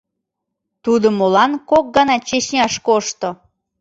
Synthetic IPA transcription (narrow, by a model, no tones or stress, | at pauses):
t̪ud̪omolɑnkok̚ɡɑnɑt͡ɕeɕnʲɑʃkoʃt̪o